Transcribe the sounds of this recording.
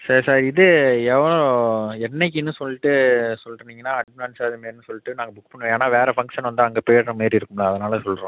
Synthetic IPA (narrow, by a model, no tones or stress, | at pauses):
sɐɾsaːɾɪðɯɛʋɐɭõɛɳːɛk̬ːɯnːɯsɔlːɪʈːɯsɔlːɾɯnd̪iːŋɡɐnːaːɐɖ̚mɐnaːnsaːðɯmeːɾnːɯsɔlːɪʈːɯnaːŋɡɐbʊkːpɐɳːɯʋẽaːnaːʋeːɾɛfɐŋɡʂɐnʋɐnd̪aɐŋɡeːpɔjɐɾɾɐmeːd̪ɾiɪɾɯkːɯmlaɐðɐnaːlɐsɔlːɾõː